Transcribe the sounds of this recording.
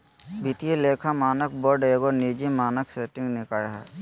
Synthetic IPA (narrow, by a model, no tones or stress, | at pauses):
bʱit̪ieleːkʰamaːnəkboɾɖeːɡonid͡ʒimaːnəkseʈɪ̃ŋɡnɪkaːjɦɛ̰